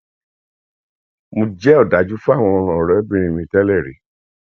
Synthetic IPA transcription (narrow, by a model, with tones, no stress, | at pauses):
mõ˧d͡ʒɛ˦ɔ˦˨da˨˦d͡ʒu˦fu˦a˦˨w̃ɔ̃˧ɔ˧ɾ̃ɔ̃˨ɔ˨ɾɔ˨ɛ˦bĩ˦ɾ̃ĩ˧mĩ˧tɛ˦lɛ˦˨ɾḛ˨˦